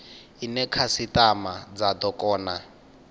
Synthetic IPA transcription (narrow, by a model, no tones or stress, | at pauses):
inɛkʰasitamad͡zad̪ɔkʼɔːna